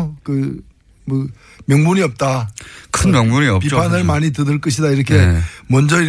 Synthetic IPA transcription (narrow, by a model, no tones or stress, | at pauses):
kɯ | mʌ | mjʌŋmuɲiʌp̚t͈akʰɯnmjʌŋmuɲiʌpipʰanɯɭmaɲitɯdɯɭk͈ɯɕʰidaiɾʌkʰe̞mʌnd͡ʑʌiɾ